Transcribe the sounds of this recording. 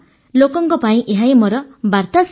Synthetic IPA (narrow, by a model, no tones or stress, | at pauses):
lokɔŋkɔpaĩʔeɦaimɔɾɔbaɾt̪as